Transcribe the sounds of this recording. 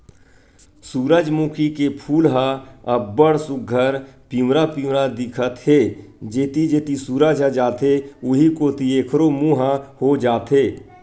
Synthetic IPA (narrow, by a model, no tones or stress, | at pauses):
suːɾəd͡ʒmuːkʰikepʰuːlɦãəbəɽsʊɡʱəɾpiːwɾapiːwɾad̪ɪkʰət̪ɦeː | d͡ʒeːt̪id͡ʒeːt̪isuːɾad͡ʒad͡ʒaːt̪eʊɦikoːt̪ieːkʰɾomũɦãhod͡ʒaːt̪eː